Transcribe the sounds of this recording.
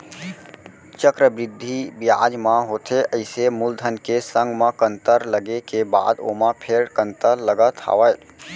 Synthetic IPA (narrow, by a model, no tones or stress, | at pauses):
t͡ʃəkɾəbɾɪd̪ʱːibjaːd͡ʒmãɦoːt̪ʰeʔɐɪsemʊld̪ʱənkesə̃ŋɡmãkə̃nt̪əɾləɡekeba̰ːd̪o̰mãpʰeɾkə̃nt̪əɾləɡət̪ʰa̰ːʋəj